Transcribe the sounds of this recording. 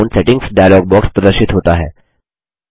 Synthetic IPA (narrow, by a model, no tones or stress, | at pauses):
nsɛʈiŋɡsɖajalɔɡ̚bɔkspɾəd̪əɾɕit̪ɦot̪aɦɛ